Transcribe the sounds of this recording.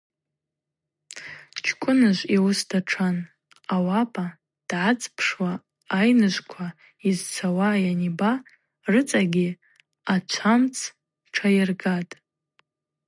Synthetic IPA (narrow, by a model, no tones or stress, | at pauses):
t͡ʃʰkʷʼʊnɨʒʷiwʊsdʰaʈ͡ʂʰan | awapʼa | d̥ʕat͡sʼpʰʂwaː | jnɨʒʷkʷʰa | izt͡sʷʰawajaniba | rɨt͡sʼaɡʲi | at͡ʃʷʰamt͡sʰ | ʈ͡ʂʰajɪrɡatʼ